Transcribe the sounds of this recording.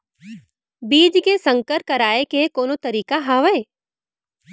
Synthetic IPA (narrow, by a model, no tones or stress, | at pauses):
biːd͡ʒkesə̃ŋkəɾkəɾaːekekoːnot̪əɾiːkaɦaːʋəe